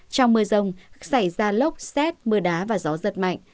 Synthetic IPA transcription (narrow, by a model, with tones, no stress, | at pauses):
t͡ɕɔ˧wŋ͡mmɨ˧əzə˧wŋ͡msa˧˩jzaː˧lə˦˥wk͡p̚sɛ˦˥t̚mɨ˧˩əɗaː˨˦vaː˨˩zɔ˨˦zə˨˩t̚ma̰˧˨jŋ̟